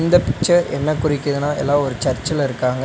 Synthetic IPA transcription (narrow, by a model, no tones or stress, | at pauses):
nd̪ɐpɪk̚t͡ʃːɐɾɛnːɐkʊrɪkːɐðɯnaːɛlːãːɔɾɯt͡ʃɐɾt͡ʃːɪlɐɪɾɯkːaːŋɡɐ